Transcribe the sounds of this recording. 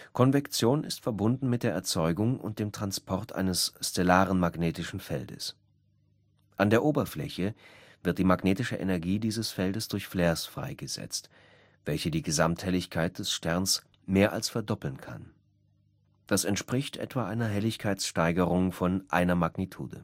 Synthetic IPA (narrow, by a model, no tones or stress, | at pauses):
kʰɔnvɛkt͡sjoːnɪ̰stfɛɐbʊndn̩mɪt̚d̥eːɐʔɛɐt͡sɔʏɡʊŋʊ̰nt̚d̥eːmtʁ̥anspʰɔɐtʔa̰ɪnəsːt͡sɛlaːʁənmaɡneːtɪʃn̩fɛ̰ldə̰s | ʔandeːɐʔoːbɐflɛ̰çə | vɪɐt̚d̥iːmaɡneːtɪʃəʔḛnɛɐɡiːdiːzəsfɛldəsd̥ʊɐçfleːɐsfʁ̥a̰ɪɡəzɛ̰t͡st | v̥ɛlçədiːɡəzamthɛlɪçkʰaɪt̚d̥ɛsʃtɛɐns | meːɐʔa̰lsfɛɐdɔpl̩nkʰa̰n | d̥asɛntʃpʁ̥ɪçtʔɛ̰tv̥aːʔaɪnɐɦɛlɪçkʰaɪt͡sʃtaɪɡəʁʊŋfɔnʔa̰ɪnɐmaɡnitʰṵːdə̰